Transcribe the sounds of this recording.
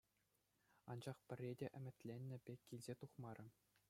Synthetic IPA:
ɑnd͡ʑɑχpʲɘ̆rʲːedʲeʔɘ̆mʲɘ̆t̪ʲlʲenʲːɘ̆bʲekʲːilʲzʲet̪uχmɑɾʲɘ̆

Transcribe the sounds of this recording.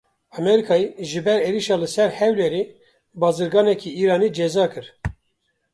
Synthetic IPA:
ɑmɛɾikʰɑːiʒɨbɛɾeːɾiʃɑːlɨsɛɾhɛwleɾe | bɑːzɨɾɡɑːnɛkʰiːiːɾɑːniːd͡ʒɛzɑːkɨɾ

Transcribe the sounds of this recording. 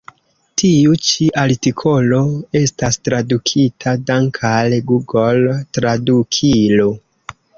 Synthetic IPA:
tʰiut͡ʃiʔaɾtikʰo̞lo̞e̞stastɾadukʰitʰadaŋkʰalɡuɡoltɾadukʰilo

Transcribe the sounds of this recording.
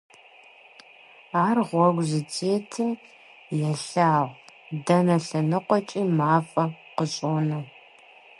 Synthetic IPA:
aːrʁʷɔɡʷzɨt͡sʰʼeːtʰɨm | jɛɬaːʁdɐnɐɬɐnɨqʷɔt͡ʃʼiːmaːfʼɐqəɕʼoːnɐw

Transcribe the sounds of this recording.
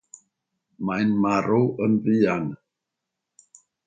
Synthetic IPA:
maɪnmaɾuʔənviːan

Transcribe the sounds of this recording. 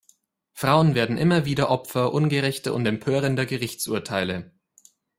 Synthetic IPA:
fʁ̥aʊənveːɐdn̩ʔɪmɐviːdɐʔɔpfɐʔʊnɡəʁɛçtə̰ʊ̰ntɛmpʰøːʁəndəɡəʁɪçt͡sʔṵːɐtʰaɪlə

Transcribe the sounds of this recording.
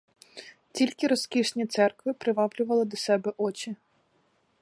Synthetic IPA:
tʲilʲkɪɾɔskʲiʃnʲit̪sɛrkʋɪpɾɪʋɑwlʲʊʋɐlˠɪd̪ɔsɛbɛʔɔt͡ʃʲi

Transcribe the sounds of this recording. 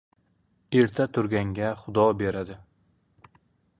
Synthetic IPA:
eɾt̪ʰat̪ʰʊɾɡʲaŋɡʲaχʊd̪ɒbe̞ɾad̪ɪ

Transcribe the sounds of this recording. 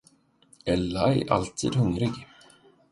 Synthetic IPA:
ɛlːaɛ̰ʔa̰lt̪ʰḭːd̪hɵŋɾɪɡ

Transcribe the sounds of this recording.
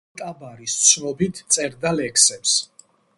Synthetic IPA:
t̪ʼabaɾist̪sʰnɔbit̪ʰt̪sʼɛɾd̪alɛkʰsɛps

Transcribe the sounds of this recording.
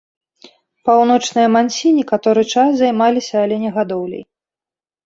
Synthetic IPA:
pawnɔt͡ʂnɨjɐmanʲsʲinʲɛkat̪ɔɾɨt͡ʂaszajmalʲisʲɐːlʲɛnʲɛɣad̪ɔwlʲɛ̰j

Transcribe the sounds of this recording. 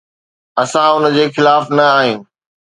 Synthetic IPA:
ɐsãʊnə̆d͡ʑeːxɪlaːfnɐaːɦɪ̃ːɪ̆

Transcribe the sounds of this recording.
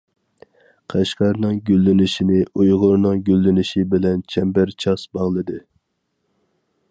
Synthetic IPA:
qʰæʃqɑɾnɨŋɡʲylːɪnɪʃinɪʔujʁʊɾnɨŋɡʲølːɪnɪʃibɪlɛnt͡ʃʰɛmbæɾt͡ʃʰɑsbɑŋlˠɨd̪ɨ

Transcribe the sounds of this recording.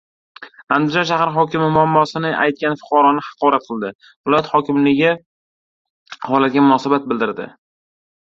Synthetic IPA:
and̪ɪd͡ʒɒnʃahaɾɦɒkʲɪmɪmʊamːɒsɪnɪʔa̰jt̪̚kʲanfʊ̥qʰɒɾɒnɪhɑ̥qɒɾat̪̚qʰɨlˠd̪ɪ | vɪlɒjat̪hɒkʲʰɪmlɪɡʲɪ | hɒlˠat̪̚ɡʲamʊnɒsabat̪̚bɪld̪ɪɾd̪ɪ̰

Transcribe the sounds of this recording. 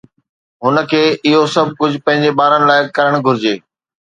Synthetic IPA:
ɦʊnə̆kʰeːɪɦosɐb̚ʱkʊd͡ʑʱʊpɐ̃ɦɪ̃ɲd͡ʑebaːɾəɽ̃ɪ̆laːɪkɐɾəɽ̃ɡʱʊɾɪd͡ʑeː

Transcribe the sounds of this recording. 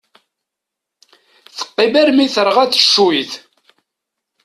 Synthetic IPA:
θə̥qːibæɾmiθəɾˤʁæθə̥ʃːuiθ

